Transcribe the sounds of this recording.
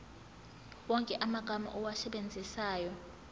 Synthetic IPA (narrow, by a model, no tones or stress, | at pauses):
wɔŋkʼɛʔamaɡ̥ʱama̰ʔɔwasɛɓend͡zʱisaːjɔ